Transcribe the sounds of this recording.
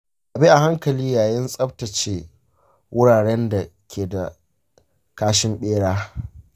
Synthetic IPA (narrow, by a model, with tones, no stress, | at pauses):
ʔa˨bi˦ʔa˨ha˦ŋkɐ˨liː˦jaː˨jɪ˦nsʼɐ˦ɸ̚tɐ˨t͡ʃeː˦ | wʊ˦ɽaː˨ɽɛ˦nda˨kʲʰeː˨da˨ | kaː˦ʃɪ˦mɓeː˦ɽaː˦